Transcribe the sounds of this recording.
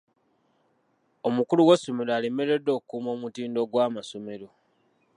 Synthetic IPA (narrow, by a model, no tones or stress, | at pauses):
omukuluwesːome̞laːlime̞ɾe̞dːo̞ːkkumo̞ːmutiːndo̞ɡwaːmaso̞me̞ɾo̞